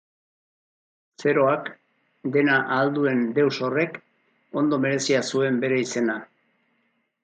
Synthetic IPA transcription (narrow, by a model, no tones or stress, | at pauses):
se̞ɾo̞ak | d̪e̞naʔald̪ue̞nd̪e̞wso̞re̞k | o̞nd̪o̞me̞ɾe̞siasue̞mbe̞ɾe̞ise̞na